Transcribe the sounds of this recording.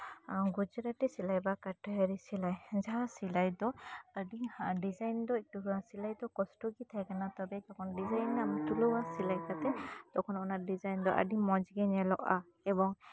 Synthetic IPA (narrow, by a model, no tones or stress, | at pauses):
ɡud͡ʒɾaʈɛsilajbakaʈəɦəɾisilajd͡ʒaɦasilajd̪ɔəɖiɖizajnd̪ɔik̚tusilajd̪ɔkɔsʈɔɡit̪ʰajkanat̪ɔbɛd̪ɔkʰɔnɖizajnamt̪uluwasilajkat̪ɛd̪̥ɔkʰɔnɔnaɖizajnd̪ɔʔə̰ɖimɔd͡ʒɡɛnɛlɔ̰ʔa̰ | ɛbɔŋ